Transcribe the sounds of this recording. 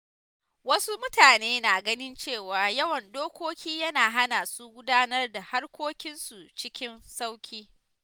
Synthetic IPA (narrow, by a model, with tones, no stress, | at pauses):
wɐ˦su˦mʊ˦taː˨neː˦naː˨ɡɐ˦nɪ˦nt͡ʃeː˦˨waː˨jɐ˦wɐ˨ndoː˦kʷoː˦kʲiː˦jɐ˦naː˨ɦa˦naː˨su˦ɡʷʊ˦daː˦nɐ˦rda˨ha˦rkʷoː˦kʲɪ˦nsu˨t͡ʃɪ˦kʲɪ˦nsa˦wkʲiː˦